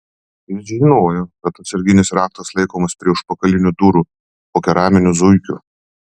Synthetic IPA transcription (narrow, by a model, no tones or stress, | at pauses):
nɪʒʲɪɪnoːjoːkɐt̪ɐt̪sʲɛɾʲɡʲɪnʲɪsɾɑːk̚t̪ɐslˠɐɪkoːmɐspʲɾʲiɛʊʃpɐkɐlʲɪnʲuːd̪uːɾuː | poːkʲɛɾɑːmʲɪnʲʊzʊɪkʲṵ